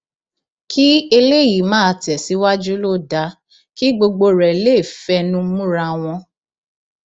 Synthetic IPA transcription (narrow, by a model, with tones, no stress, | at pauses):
kʰi˦e˧le˦˨ji˨˦mãː˦˧tɛ˨si˨˦wa˦d͡ʒu˦lo˦da˨˦ | ki˦ɡ͡bo˧ɡ͡bo˧ɾɛ˨le˦˨fɛ˧˦nũ˦mũ˦ɾa˧w̃ɔ̃˧